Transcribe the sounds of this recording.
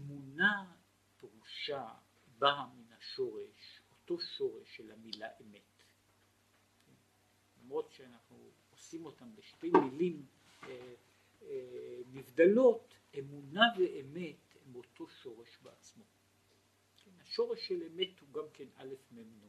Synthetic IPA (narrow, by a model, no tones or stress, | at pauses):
ʔemuna | peʁuʃa | baminaʃo̞ʁeʃo̞to̞ʃo̞ʁeʃːelamilaʔeme̞t | kʰen | lamʁo̞tʃeanaχnu | osimo̞tambeʃtejmilim | nivdalo̞t | emunaveʔeme̞t | emo̞to̞ʃo̞ʁe̞ʃbeat͡smo̞ | kenhaʃo̞ʁeʃːeleme̞thuɡamke̞na̰le̞fmemno